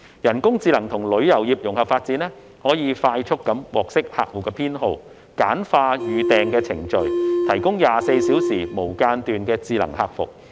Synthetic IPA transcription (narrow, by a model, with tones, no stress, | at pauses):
jɐ˨˩nkʊ˥ŋt͡siː˧lɐ˨˩ŋt̪ʰʊ˨˩ŋlɵ˨˥ɥjɐ˨˩wjiː˨p̚jʊ˨˩ŋhɐ˨p̚faː˧t̚t͡siː˨˥nlɛː˥ | hɔː˨˥jiː˨˧faː˧jt͡ʃʰʊ˥kːɐ˨˥mwɔː˨k̚sɪ˥k̚ha̰ː˨k̚wuː˨kːɛː˧pʰiː˥nɦo˧w | kaː˨˥nfaː˧jyː˨t̪ɛː˨˧ŋkɛː˧t͡sʰɪ˨˩ŋt͡ʃɵ˨ɥt̪ʰɐ˨˩jkʊ˥ŋjaː˨se˧jsiː˨˥wsiː˨˩mo˨˩wkaː˧nt̪yː˨nkɛː˧t͡siː˧lɐ̰˨˩ŋhaː˧k̚fʊ̰˨k̚